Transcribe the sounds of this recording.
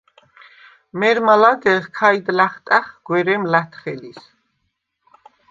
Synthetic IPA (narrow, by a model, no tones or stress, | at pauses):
mɛɾmalad̪ɛʁkʰajd̪laχt̪ʼaχɡ̥wɛɾɛmlat̪ʰχɛlis